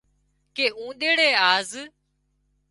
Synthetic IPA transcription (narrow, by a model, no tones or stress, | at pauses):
keːũːɗ̪eːɽeːaːz